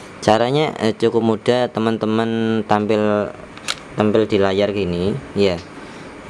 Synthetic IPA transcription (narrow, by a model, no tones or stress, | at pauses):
t͡ʃaɾaɲat͡ʃukʊp̚mud̥at̪əmənt̪əmənt̪ampɪl | t̪ampɪld̪̥i̤lajarkinija